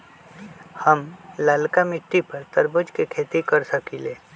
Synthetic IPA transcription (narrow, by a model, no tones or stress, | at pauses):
hɐmlaːlkamɪʈːipɐɾt̪əɾbəd͡ʒkekʰeːt̪ikəɾsəkileː